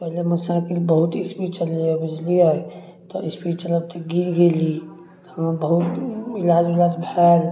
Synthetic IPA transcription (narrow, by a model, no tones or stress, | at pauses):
pɛɦleməsãkilbəɦut̪ɪspit͡ʃəleabɪd͡ʒliae | t̪ɔʔɪspit͡ʃələb̚t̪ʰeɡiɾɡeli | t̪ɔɦəmebəɦut̪ɪlaːd͡ʒilaːd͡ʒbʱɛːl